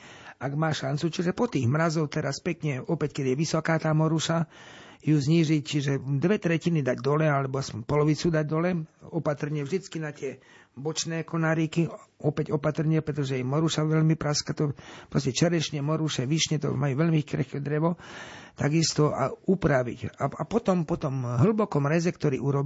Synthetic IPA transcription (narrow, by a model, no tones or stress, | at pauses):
aɡmaːʃant͡sut͡ʃiʒɛpɔt̪iːɣmɾazɔʊt̪ɛɾaspɛkɲɛɔpɛckɛd̪ɪjɛʋisɔkaːt̪aːmɔɾuʃa | juːzɲiːʒict͡ʃiʒɛd̪ʋɛt̪ɾɛcinid̪aɟd̪ɔlɛalɛbɔaspɔɲpɔlɔʋit͡sud̪aɟd̪ɔlɛɔpat̪r̩ɲɪɛvʒd̪it͡skinat̪ɪɛ | bɔt͡ʃnɛːkɔnaɾikiɔpɛɟɔpat̪r̩ɲɪɛpɾɛt̪ɔʒɛjɛmɔɾuʃaʋɛʎmipɾaskat̪ɔpɾɔscɛt͡ʃɛɾɛʃɲɛmɔɾuʃɛʋiʃɲɛt̪ɔ̰majuʋɛʎmikɾxkɛd̪ɾɛʋɔt̪aɡist̪ɔʔa̰upɾaʋḭcaapɔt̪ɔmpɔt̪ɔmɦl̩bɔkɔmɾɛzɛkt̪ɔɾḭːuɾɔb